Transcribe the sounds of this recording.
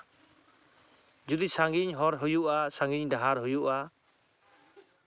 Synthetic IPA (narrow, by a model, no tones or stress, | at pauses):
d͡ʒud̪isaŋɡiɲɦɔɾɦujuʔasaŋɡiɲɖaɦaɾɦujuʔa